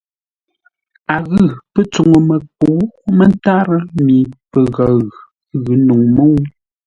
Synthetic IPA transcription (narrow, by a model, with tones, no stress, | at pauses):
a˨ɣɯ˦˨pə˦t͡so˨ŋo˨mə˨po˨˦mə˦n˦ta˦ɾə˦mi˨pə˨ɣa˨˦ɣʉ˨ | ɣɯ˨˦nu˨ŋmə˦wu˦